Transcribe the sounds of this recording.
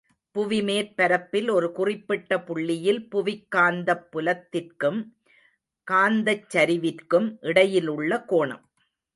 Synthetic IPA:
pʊʋɪmeːɾpɐɾɐpːɪlɔɾɯkʊrɪpːɪʈːɐpʊɭːɪjɪlpʊʋɪkːaːnd̪ɐpːʊlɐt̪ːɪrkɯm | kaːnd̪ɐt͡ʃːɐɾɪʋɪrkɯmʔɪɽɐjɪlɯɭːɐkoːɳɐ̰m

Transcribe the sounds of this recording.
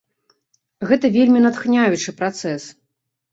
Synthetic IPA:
ɣɛt̪ɐvʲelʲmʲinat̪xnʲajut͡ʂɨpɾat̪sɛs

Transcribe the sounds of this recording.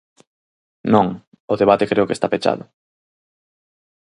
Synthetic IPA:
nõŋ | ʊðeβat̪ekɾeʊkest̪apet͡ʃa̰ðʊ

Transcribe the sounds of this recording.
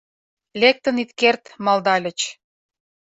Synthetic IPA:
lek̚t̪ə̆nit̪kert̪mɑld̪ɑlʲə̆t͡ɕ

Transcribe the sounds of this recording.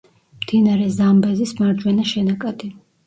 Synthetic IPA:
md̪̥inaɾɛzambɛzismaɾd͡ʒwɛnaʃɛnakʼad̪i

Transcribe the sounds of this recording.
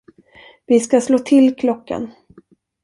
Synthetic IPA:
vɪskasloːt̪ʰɪlkʰlɔkːa̰n

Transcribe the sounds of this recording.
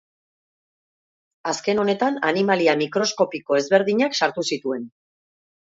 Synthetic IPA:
aske̞no̞ne̞t̪ananimaliamikɾo̞sko̞piko̞e̞zβe̞ɾðiɲaksaɾt̪usit̪ue̞n

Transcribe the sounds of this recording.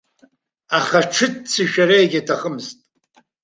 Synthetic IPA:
aχaʈ͡ʂʰɨtt͡sʰɨʃᶣaɾejɡʲatʰaχəmztʼ

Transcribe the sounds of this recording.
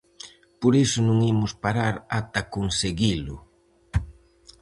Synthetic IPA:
poɾesʊnũŋimʊspaɾaɾat̪akonseɣilʊ̰

